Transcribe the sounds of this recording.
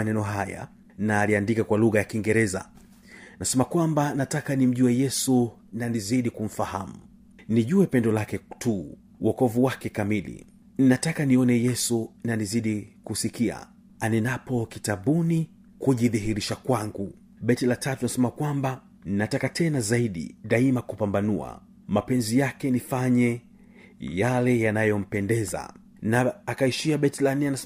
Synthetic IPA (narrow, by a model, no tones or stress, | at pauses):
anɛnɔɦaja̰ | naːliandikakwaluɣajakiŋɡɛɾɛza̰ | nasɛmakwambanatakanim̩ʄuɛjɛsu | naniziɗikum̩fahamu | niʄuɛpɛndɔlakɛtʰu | wʔɔkɔvuwakɛkamilḭ | ninatakaniɔnɛjɛsunaniziɗikusikia̰ | anɛnapɔkitaɓuni | kuʄiðiɦiɾiʃakwaŋɡu | ɓɛtilatatuanasɛmakwamba | ninatakatʰɛnazaiɗḭɗaimakupambanua̰ | mapɛnzijakɛnifaɲɛ | jalɛjanajɔm̩pɛndɛza̰ | naːkaiʃiaɓɛtilanɛana